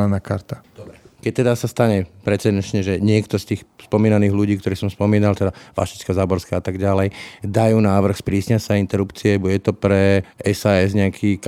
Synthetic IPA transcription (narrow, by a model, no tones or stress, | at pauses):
anakaɾt̪ḁd̪ɔbɛkɛc̚t̪ɛd̪asast̪aɲɛpɾɛt͡sɛd̪ɛnt͡ʃɲɛʒɛɲɪɛkt̪ɔst̪iːxspɔmiːnaniːɣluɟiːkt̪ɔɾiːsɔmspɔmiːnalt̪ɛd̪aʋa̰ʃi̥t͡ʃkɔzaːbɔɾskɛat̪aɡɟalɛjd̪ajuːnaːʋr̩xspɾiːsɲasaint̪ɛɾupt͡siɛbjɛt̪ɔpɾɛɛsaːɛzɲɛakʰiː